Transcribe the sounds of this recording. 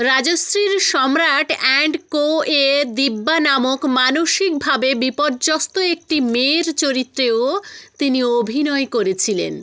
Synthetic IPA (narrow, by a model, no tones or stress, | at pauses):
ɾad͡ʑosɾiɾʃɔmɾaʈʰɛɳɖkoed̪ibːanamokmanoʃik̚bʱabebipoɾd͡ʑost̪oek̚ʈimeɾt͡ɕoɾit̪ːɾeot̪iniobʱinɔekoɾet͡ɕʰilḛn